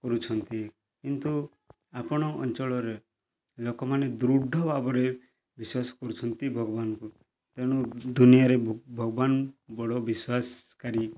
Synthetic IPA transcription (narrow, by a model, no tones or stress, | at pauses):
kɔɾut͡ʃʰɔnt̪i | kint̪u | apɔɽ̃ɔɔ̰nt͡ʃɔɭɔɾe | lokɔmaned̪ɾuɖʱːɔbabɔɾe | biswasɔ̥kɔɾut͡ʃʰɔnt̪ibʱɔɡɔbanɔku | t̪eɽ̃ud̪unijaɾebʱɔɡɔbanbɔɽɔbiswaskaɾi